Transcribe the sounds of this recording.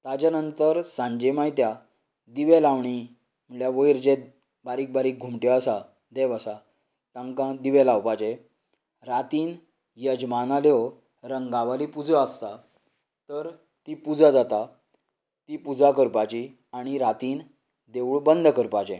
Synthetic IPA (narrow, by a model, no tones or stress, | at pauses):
t̪ad͡ʑanənt̪əɾsãɲd͡ʑemajt̪ja | d̪iʋelaʋɳ̃i | m̤əɳljaʋəjɾt͡ɕe | baɾiːk̚baɾiːk̚ɡʱumʈjɔəsa | d̪eʋəsa | t̪ãŋkãd̪iʋɛlawpat͡ɕe | ɾat̪iːn | jəd͡ʑmanaljɔ | ɾəŋɡaʋalipud͡zəəst̪a | t̪əɾ | t̪ipud͡zad͡zat̪a | t̪iːpud͡zakəɾpat͡ɕi | aɽ̃iɾat̪iːn | d̪eʋuɭbənd̪ʱkəɾpat͡ɕḛ